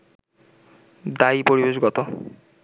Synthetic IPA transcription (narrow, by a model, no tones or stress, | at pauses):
d̪aipoɾibeʃɡɔt̪o